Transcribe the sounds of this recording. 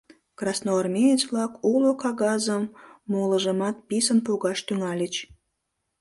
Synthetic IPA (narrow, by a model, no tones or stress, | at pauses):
krɑsnoːrmʲejet͡ɕβlɑkulokɑɣɑzəmːoləʒəmɑt̪̚pisənpuɣɑʃt̪yŋɑlʲet͡ɕ